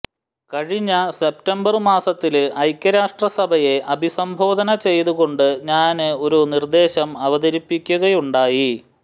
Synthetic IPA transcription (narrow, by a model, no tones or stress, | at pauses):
kɐɻiɲːɐse̞p̚tɐmbɐrmaːsɐt̪ːilɐjkʲːɐɾaːʂʈrɐsɐbʱɐje̞ʔɐbʱisɐmbʱo̞ːd̪ʱɐnɐt͡ɕe̞jt̪uɣo̞ɳɖɨɲaːnɨo̞ɾunird̪e̞ːɕɐmɐʋɐðɐɾipːikʲːuɣɐjuɳɖaːji